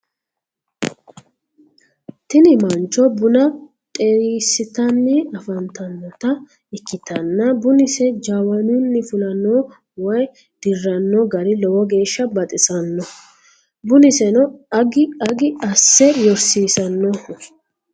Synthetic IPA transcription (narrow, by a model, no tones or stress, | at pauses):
t̪ɪnɪmɐnt͡ʃːɔbʊnɐ | t̪ʼeːɾiːsɪt̪ɐnːɪɐfɐnt̪ɐnːɔt̪ɐ | ɪkːɪt̪ɐnːɐbʊnɪsɛd͡ʒaːwɐnʊnːɪfʊlɐnːɔ | wɔj | d̪̥ɪrːɐnːɔɡɐɾɪlɔwɔɡe̞ːʃːɐbɐt̪ʼɪsʼɐnːɔ | bʊnɪsɛnɔɐɡɪɐɡɪɐsːɛjɔɾsiːsɐnːɔ